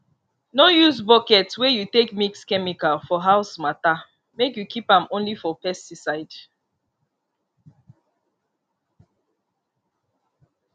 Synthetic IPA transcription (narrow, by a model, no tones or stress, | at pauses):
nojusbɔkɛtswɛjutekmikskɛmikalfɔɦaʊsmata | mekjukʰipãmõnlifɔpɛstisaɪd̥